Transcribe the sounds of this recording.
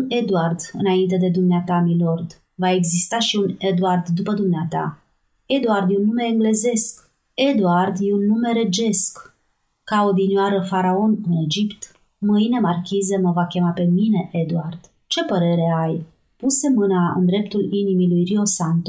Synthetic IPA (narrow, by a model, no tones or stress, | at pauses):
une̞d̪uard̪ɨnaint̪̬e̞d̪e̞d̪umneat̪amilo̞rd̪ | vae̞ɡzist̪aʃiune̞d̪uard̪ːupəd̪umneat̪a̰ | e̞d̪uard̪jeunːume̞ːŋɡle̞ze̞sk | e̞d̪uard̪jeunːume̞ɾe̞d͡ʒe̞sk | kaod̪injoaɾəfaɾao̞nɨne̞d͡ʒipt̪ | mɨjne̞markʲize̞məvakʲe̞mape̞mine̞ʔe̞d̪uard̪̥ | t͡ʃe̞pəɾe̞ɾe̞aj | puse̞mɨnaɨ̰nd̪ɾe̞pt̪ulinimilujrio̞sant̪o